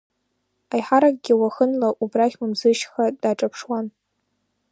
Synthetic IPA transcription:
ajħaɾak̚ʼɡʲɪwaχənlaʔubraχʲwamzɨʃχadaʈ͡ʂʼapʰʂwan

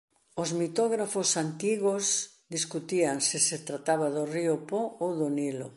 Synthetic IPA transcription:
ozmit̪ɔɣɾafosant̪iɣos | d̪iskut̪iaŋsɪset̪ɾat̪aβaðoriopoowðonilo̰

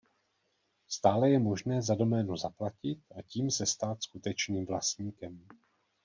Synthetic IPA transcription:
st̪aːlɛjɛmo̞ʒnɛːzado̞mɛːnuzaplacɪt̪̚ʔaciːmsɛst̪aːt̪skut̪ɛt͡ʃniːmvlast̪ɲiːkɛm

